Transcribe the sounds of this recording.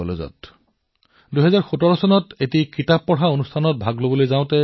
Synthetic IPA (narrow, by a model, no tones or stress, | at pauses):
ɔ̰lozɔ̰t | duɦɛzaɹxutɔɹɔsɔnɔtetikɹitapːɔɹɦaonustʰanɔt̚bʱaɡlobolojzãʊ̃tɛ